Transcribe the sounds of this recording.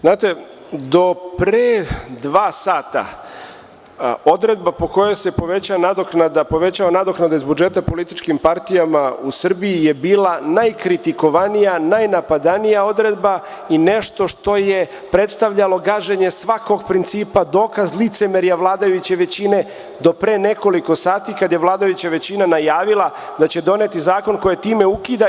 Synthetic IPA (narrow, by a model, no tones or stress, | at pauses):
znaːt̪e̞ | d̪o̞pɾed̪ʋaːsaːt̪a̰ | o̞d̪ɾe̞d̪̚bapo̞ko̞jase̞po̞ʋet͡ɕanad̪oknad̪apo̞ʋe̞t͡ɕaʋanad̪oknad̪aizbud͡ʒe̞t̪apo̞lit̪it͡ʃkimpaɾt̪ijamausr̩biijebiːlanajkɾit̪iko̞ʋanijanajnapad̪anijao̞d̪ɾe̞d̪ba | ine̞ʃt̪o̞ʃt̪o̞je̞ | pɾe̞t̪st̪aʋʎalo̞ɡaːʒeɲe̞sʋako̞ɡpɾint̪siːpad̪o̞ːkazlit̪se̞meɾjaʋlˠaːd̪ajut͡ɕeʋe̞t͡ɕine̞ | d̪o̞pɾene̞ko̞liko̞saːt̪ikad̪jeʋlˠaːd̪ajut͡ɕaʋe̞t͡ɕinanajaːʋilˠa | d̪at͡ɕe̞d̪o̞net̪izaːko̞nkojet̪iːme̞ukid̪a